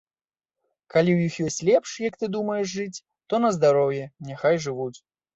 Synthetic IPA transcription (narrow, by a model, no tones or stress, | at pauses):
kalʲiwjixjɔsʲt͡sʲlʲɛpʂjɐkt̪ɨd̪umɐjɛʂʐɨt͡sʲ | t̪ɔnɐzd̪aɾɔwjɛnʲɛxajʐɨvut͡sʲ